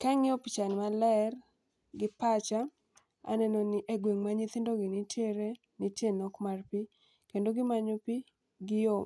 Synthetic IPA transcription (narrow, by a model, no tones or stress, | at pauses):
kaŋɪɔpit͡ʃanmalɛr | ɡɪpat͡ʃa | a̰nɛnɔnɪʔeɡweŋmaɲɪt̪ɪndoɡɪnɪtjeɾe | nitjenɔkmarpi | kendoɡɪmaɲopi | ɡɪjo